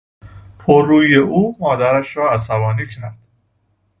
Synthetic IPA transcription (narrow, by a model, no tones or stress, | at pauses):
pʰoɾːuːjeʔuːmɒːd̪æɾæʃɾɒːæsæbɒːniːcʰæɾd̪̥